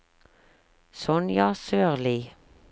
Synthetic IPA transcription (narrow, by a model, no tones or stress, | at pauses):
sɔnjɑːsøːʁliː